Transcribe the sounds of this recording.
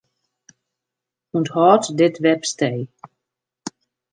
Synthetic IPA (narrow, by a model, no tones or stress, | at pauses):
unthɔːtdɪtʋɛpstej